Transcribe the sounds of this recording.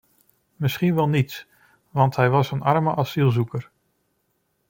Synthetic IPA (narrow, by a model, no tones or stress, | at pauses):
mɪsχinʋɛlˠnits | ʋɑntɦɛjʋɑsənʔɑɹməʔɑsilˠzukəɹ